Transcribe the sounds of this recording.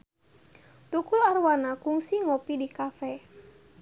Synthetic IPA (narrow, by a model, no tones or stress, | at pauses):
t̪ukʊlarwanakuŋsiŋopidikafɛ